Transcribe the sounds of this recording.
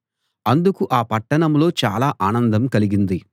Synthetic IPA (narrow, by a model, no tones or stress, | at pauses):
ɐnd̪ukuʔaːpɐʈːɐɳɐmlo̞ːt͡ʃaːlaːʔaːnɐnd̪ɐmkɐliɡind̪i